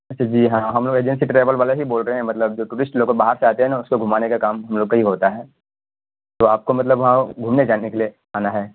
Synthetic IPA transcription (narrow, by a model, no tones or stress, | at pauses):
ɐt͡ʃʰːad͡ʒiːɦãːɦɐmloːɡeːd͡ʒɛ̃nsiʈɾɛːʋəlʋaːleɦiboːlɾəɦeɦɛ̃mɐt̪ləb̚d͡ʒoːʈuːɾɪsʈloːɡobaːɦəɾseaːt̪eɦɛ̃naʊskoɡʱʊmaːnekakaːmɦɐmloːɡkaɦiɦoːt̪aɦɛː | t̪oːaːp̚komɐt̪ləbʋɐɦãɡʱumned͡ʒaːnekelie | aːnaɦɛː